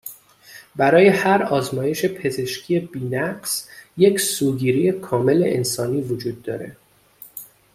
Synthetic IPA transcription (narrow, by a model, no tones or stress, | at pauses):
bæɾɒːje̞hæɾɒːzmɒːje̞ʃe̞pʰe̞ze̞ʃcʰije̞biːnæɢsje̞csuːɡiːɾije̞kʰɒːme̞lḛʔḛnsɒːniːvod͡ʒuːd̪̚ːɒ̰ːɾe̞̰